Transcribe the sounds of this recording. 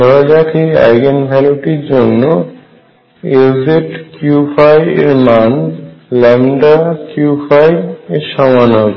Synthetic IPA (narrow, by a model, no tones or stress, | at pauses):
ɔd͡ʑakʰia̰jɡenbʱɛloʈiɾd͡ʑonːo | ezeʈkjufajḛɾmanlɛmɖakjufajeɾʃɔmanɔb